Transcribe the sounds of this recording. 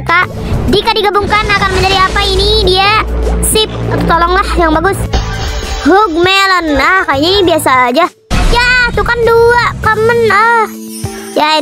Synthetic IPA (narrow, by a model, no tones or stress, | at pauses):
kaʔ | dikadiɡabuŋkanakarməɲd͡ʒadiapainidiasɪp̚at̪olɔŋlahjaŋbaɡʊs | ɦʊɡ̚melənakaiɲibiasaːd͡ʒa | jasukanduaʔkəmənə | ja